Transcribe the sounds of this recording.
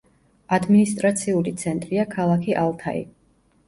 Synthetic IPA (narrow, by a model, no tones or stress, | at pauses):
ad̪minist̪ʼɾat̪sʰiulit̪sʰɛnt̪ʼɾiakʰalˠakʰiʔalˠt̪ʰa̰ḭ